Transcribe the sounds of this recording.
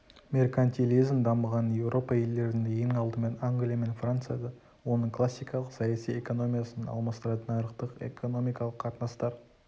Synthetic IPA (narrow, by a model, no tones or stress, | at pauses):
me̞rkant̪ʲilʲizmd̪ɑməʁɑnje̞wɾʔo̞pɑe̞ld̪e̞ɾɪnd̪ejeŋɑlˠd̪əme̞naŋɡlijame̞nfrant̪sɨjad̪ɑ | wo̞nəɴkʰlˠasːijkɑlˠəqsɑjasije̞ko̞no̞mʲijasənɑ̰lˠmɑst̪əɾɑt̪ənɑjɾəq̚t̪əqḛkʰo̞no̞mijkɑlˠəqʰːɑt̪nɑst̪ɑɾ